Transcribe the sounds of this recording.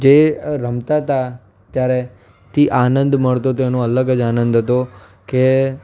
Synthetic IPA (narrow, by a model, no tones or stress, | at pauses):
d͡ʒeɾəmt̪at̪a | t̪jaɾe | t̪ʰiʔanənd̪məɭt̪ot̪oenõələɡəd͡ʒanə̃nd̪ʱɦət̪o | ke